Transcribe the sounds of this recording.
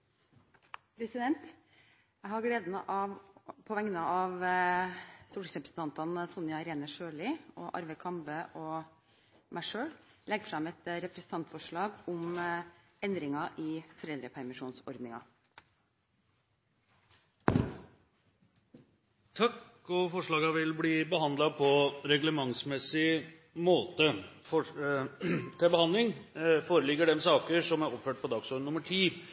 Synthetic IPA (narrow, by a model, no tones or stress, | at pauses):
pʰɾɛsɪd̪ɛnt̪ | jæɪhɑɡɽeːd̪nəʔɑʋpʰɔʋɛŋnəɑʋ | suːʈɪsɾɛpɾəsn̩t̪ʰɑnt̪ɑnsɔnɪjɑɾeːnəʂøːɭɪɔʔɑ̰ɾʋəkʰɑmbəʔɔ | mʔæɪʂøːɽlɛɡfɾɑmɛt̪ɾɛpɾɛsn̩t̪ʰɑnt̪fɔʂɭɑːɡʊm | ɛnd̪ɾɪŋɑʔiːfɔɾɛld̪ɾəpʰæɾmɪʂuːnsɔ̰ɾd̪nɪŋɑ̰ | t̪ʰɑk | ɔfɔʂɭɑːɡɑʋɪlbliːbəɦɑnd̪lɑpʰɔɾɛɡləmɑŋsmɛsɪ | moːt̪əfɔ | t̪ʰɪlbəhɑnlɪŋfoːɾəlɪɡːəɖɛmsɑːkəʂɔmæɾɔpføːʈ̚pʰɔd̪ɑːɡsɔɖənʊməʈʰiː